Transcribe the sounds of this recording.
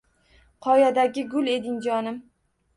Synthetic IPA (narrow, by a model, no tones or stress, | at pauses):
qʰɒjad̪aɡʲɪɡʊlˠe̞d̪ɪŋd͡ʒɒnɪm